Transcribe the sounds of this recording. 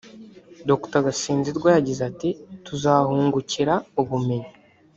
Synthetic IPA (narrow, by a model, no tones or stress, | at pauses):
doktaɡasiːnziɾɡwajaɟizatituzaːhuːŋɡuciɾauβume̞ɲi